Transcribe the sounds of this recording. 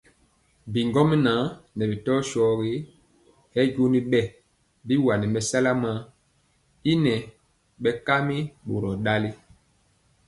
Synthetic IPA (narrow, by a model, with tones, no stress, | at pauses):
bi˨ŋɡɔ˦mi˦na˨˦nɛ˨bi˨tɔ˦ʃɔ˦ɡi˦ | hɛ˦ɟu˦ni˦ɓɛ˦˨ | bi˦wa˨ni˨mɛ˨sa˦la˦ma˦ | i˦nɛ˨ | ɓɛ˨˦ka˦mi˦ɓo˨ɾɔ˨ɗa˦li˦